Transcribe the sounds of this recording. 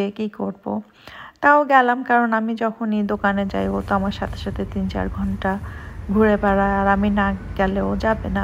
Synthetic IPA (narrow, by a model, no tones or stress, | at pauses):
ekikoɾbo̰ | t̪aoɡɛlamkaɾonamid͡ʑɔkʰonijd̪okaned͡ʑa̰jbot̪oamaɾʃat̪ʰe̥ʃat̪ʰet̪int͡ɕa̰ɾɡʱɔɳʈaɡʱuɾebaɾaaɾaminaɡ̥ɛleod͡ʑabena